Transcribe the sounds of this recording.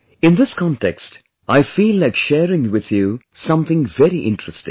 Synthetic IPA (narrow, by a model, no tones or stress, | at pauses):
ɨ̃nðɪskʰɑ̃ntʰɛ̰kst | aɪfilːakʃɛɹɪ̃ŋwɪðjʉ | sʌ̃mθɪ̃ŋvɛɹiʔɪ̰̃ntɹ̥ɨstɪ̰̃ŋ